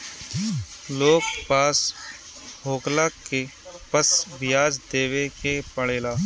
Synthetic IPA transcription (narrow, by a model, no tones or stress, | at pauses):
loːkpaːs | ɦoːklaːkepəsʋɪjaːd͡ʒd̪eːʋekepəɽ̤eːlaː